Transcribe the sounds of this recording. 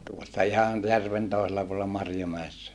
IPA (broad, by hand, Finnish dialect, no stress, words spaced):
tuosːɑ ihɑn jærʋen toˑiselːɑ puolĕlːɑ mɑrjomæesːæ